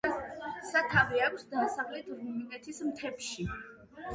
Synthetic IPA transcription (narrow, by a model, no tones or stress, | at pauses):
sat̪ʰaviakʰsd̪asavlɛt̪ʰɾiminɛt̪ʰismt̪ʰɛpʃi